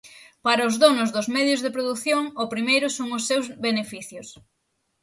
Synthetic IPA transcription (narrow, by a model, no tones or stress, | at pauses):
paɾɐʊzðonʊzðʊzmɛðjʊzðepɾoðuθjoŋʊpɾimejɾʊsoŋʊsːewzβenefiθjʊs